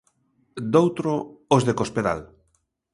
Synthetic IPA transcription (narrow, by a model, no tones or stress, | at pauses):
d̪owt̪ɾoozðekospeða̰l